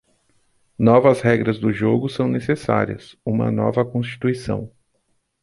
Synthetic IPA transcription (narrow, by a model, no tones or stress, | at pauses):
nɔvɐzhɛɡɾɐzd̪ʊʒoɡʊsɐ̃w̃nesesa̰ɾiɐ̰sũmɐ̰nɔ̰vɐkõst͡ʃi̥t̪uisɐ̰̃w̃